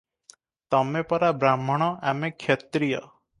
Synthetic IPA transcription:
t̪ɔmepɔɾabɾamɔɽ̃ɔʔamekʰːjet̪ɾijɔ̰

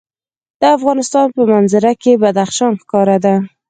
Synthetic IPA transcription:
d̪̥əafɣɑnɪst̪ɑnpəmanzaɾakebad̪axʃɑnxkɑɾad̪a

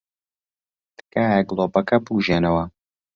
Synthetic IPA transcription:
d̪̥ɨ̥kaːjɐɡlˠoːpɐkɐbuːʒeːnɐwɐ

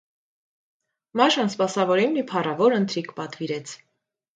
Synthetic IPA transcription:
mɑʃɑnspɑsɑvɔɾimnipʰɑrɑvɔɾənt̪ɾikʰpɑt̪viɾɛt͡sʰ

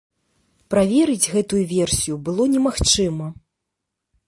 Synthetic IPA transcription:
pɾavʲɛɾɨd͡zʲɣɛt̪ujuvʲɛrsʲijubɨlˠɔnʲɛmaxt͡ʂɨmɐ

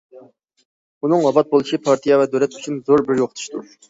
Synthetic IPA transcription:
unɨŋwɑbɑt̪̚bolˠuʃipʰɑɾt̪ʰijɑvɛd̪øwlɛt̪y̥t͡ʃʰynzoɾbɪɾjoqʰət̪ʰu̥ʃt̪ʰuɾ

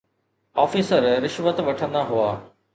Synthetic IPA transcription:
ɔːfiːsəɾɾɪʃʋət̪ʋɐʈʰə̃nd̪aɦuaː

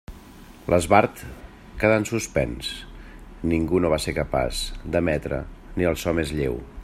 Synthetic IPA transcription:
lʔəzβaɾt̪ | kəðansuspɛ̰ns | niŋɡunoβ̞aseɾkəpa̰zd̪əmɛt̪ɾə̰niəlˠsɔmezʎḛw

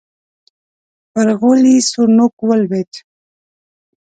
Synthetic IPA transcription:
pəɾɣolisuɾnokwalbet̪

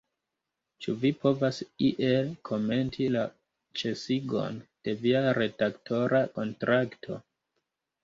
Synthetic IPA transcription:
t͡ʃuvipo̞vasiʔe̞lkʰo̞me̞ntʰila | t͡ʃe̞siɡo̞̰nd̥e̞viaɾe̞dakto̞ɾʔako̞ntɾʔaktʰo̞

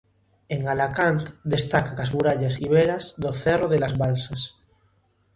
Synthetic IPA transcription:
eŋalakant̪d̪est̪akakazmuɾaʎasiβ̞eɾazðoθeroðelazβalsas

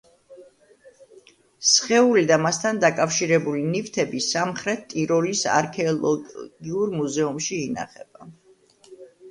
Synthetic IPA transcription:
sχɛulid̪amast̪ʰand̪akʼafʃiɾɛbulinift̪ʰɛbisamχɾɛt̪t̪ʼːiɾɔɾisa̰ɾkʰɛɔlˠɔ̰ɡiuɾmuzɛumʃiːna̰χɛb̥a

